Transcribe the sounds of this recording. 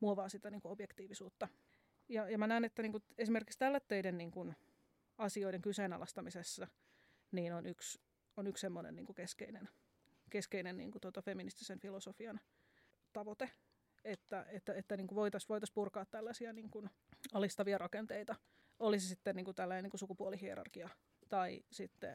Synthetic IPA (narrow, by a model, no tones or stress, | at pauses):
muoʋɑːsit̪æniːŋkuobjekt̪iːʋisuːt̪ːɑ | jɑjɑmænæːnet̪ːæniːŋkuesimerkikst̪ælːæt̪ːøidenniːŋkun | ɑsioideŋkyseːnɑ̰lʔɑst̪ɑmisesːɑ | niːnonyks | onykssemːonḛnnḭːŋkukeskḛinen | keskeinennḭːŋkut̪ot̪ɑfeminist̪isenfilosofiɑn | t̪ɑʋot̪e | et̪ːæʔet̪ːæet̪ːæniːŋkuʋoit̪ɑsʋoit̪ɑspurkɑːt̪t̪ːælːæsiæniːŋkun | ɑlist̪ɑʋiɑrɑkent̪eit̪ɑ | olisisit̪ːenniːŋkut̪ælːæneniːŋkusukupuolihiḛɾɑ̰rkiɑ | t̪ɑisit̪ːḛ